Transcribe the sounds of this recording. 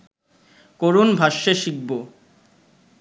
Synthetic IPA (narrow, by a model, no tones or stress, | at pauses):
koɾunbʱaʃːeʃiɡ̚bo